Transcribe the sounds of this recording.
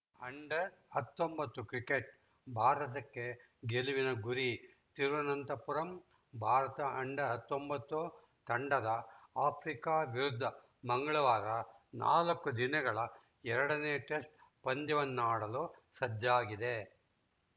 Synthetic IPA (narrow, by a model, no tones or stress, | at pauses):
ɐɳɖɐɾɐt̪ːo̞mbɐt̪ːukɾikeʈ | bʱaːɾɐt̪ɐkːe̞ | ɡeliʋinɐɡuɾi | t̪iɾʋɐnɐnt̪ɐpuɾɐm | bʱaːɾɐt̪ɐɐɳɖɐɦɐt̪ːombɐt̪ːu | t̪ɐɳɖɐd̪ɐaːpʰɾikaːʋiɾud̪ʱːɐ | mɐŋɡɐɭɐʋaːɾɐna̰ːlɐkːud̪inɐɡɐɭɐ | ɛɾɐɽɐneːʈesʈ̚pɐnd̪iʋɐnːuaːɽɐloːsɐdːaːɡid̪e̞